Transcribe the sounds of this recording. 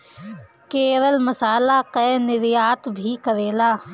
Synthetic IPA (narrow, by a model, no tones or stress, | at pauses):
keːɾəlmɐsaːlaqɛːnɪɾjaːt̪bʱikɐɾeːlaː